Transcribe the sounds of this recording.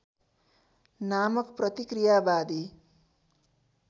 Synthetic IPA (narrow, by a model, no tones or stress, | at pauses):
namʌkprʌt̪ikrijabad̪i